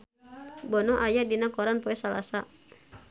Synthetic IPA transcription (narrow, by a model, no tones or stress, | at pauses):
bɔnɔʔajadinakɔɾanpɔɛsala̰sa